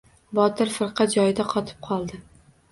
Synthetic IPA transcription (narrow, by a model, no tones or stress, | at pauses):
bɒt̪ɪɾfɨɾqʰɑt̪̚d͡ʒɒjɪd̪aqʰɒt̪ʰɪ̥p̚qʰɒlˠd̪ɪ